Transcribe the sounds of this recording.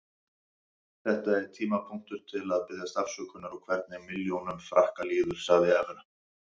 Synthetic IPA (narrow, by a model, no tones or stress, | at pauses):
θɛht̪aɛɾ̥t̪ʰiːmapʰʊŋ̥t̪ʏɾ̥t̪ʰɪlaðpɪððjast̪afsœːkʰʏnaɾɔwkʰvɛɾt̪̚nɪmɪljownʏmfɾahkaliːðʏɾ̥saɣðɪɛvɪna